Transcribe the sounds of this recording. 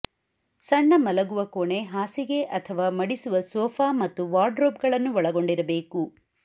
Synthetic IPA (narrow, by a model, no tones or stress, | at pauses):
sɐɳːɐmɐlɐɡuʋɐkoɳe̞ɦaːsiɡe̞ʔɐt̪ʰɐʋaːmɐɽisuʋɐsɔːpʰaːmɐt̪ːuʋaːɾɖɾoːp̚ɡɐɭɐnːuɔɭɐɡo̞ɳɖiɾɐbe̞ːku